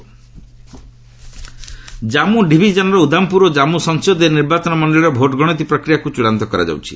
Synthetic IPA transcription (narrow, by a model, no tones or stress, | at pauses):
d͡ʒamuɖibʱid͡ʒɔnɔɾɔud̪ʱampuɾɔd͡ʒamusɔŋsod̪eniɾbat͡ʃɔnɔmɔɳɖeɭɾɔbʱoʈɔɡɔɽ̃ɔt̪̬ipɾɔkɾijakut͡ʃuɽant̪ɔkɔɾa̰d͡ʒa̰wt͡ʃʰi̥̰